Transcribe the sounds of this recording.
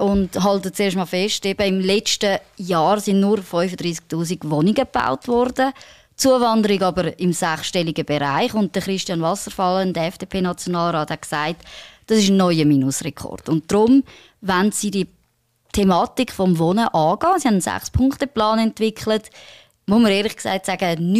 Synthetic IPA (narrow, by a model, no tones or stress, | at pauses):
ʊndɦɑltət͡seːʃtmɑːlfɛʃtɛb̥əɪmlɛt͡ʃtəjɑːɾsɪnnʊɾfɔʏfədɾiːsk̚tuːsiɡ̥ʋɔniɡəba̰ʊtvɔɾd̥ə | t͡suəvɑndəɾiɡɑbəɾɪmsaχʃtɛliɡəbeɾa̰ɪχʊnt̚d̥əχɾɪʃtjɑnvɑsəɾfɑləndəɛfd̥eːpʰeːnɑt͡sjonɑːlɾɑːthɛt̚ksaɪtd̥ɑsɪʃnːɔʏəminʊsrɛkʰɔ̰rd̥ʊntd̥ɾʊm | ʋansidi | tʰemɑːtikχfɔmvɔnəʔɑːɡɑːsihandnsæ̰χspʰʊŋkχtəplɑːnɛntvɪkχlət | moməɾeːɾlɪχksa̰ɪtsaɡən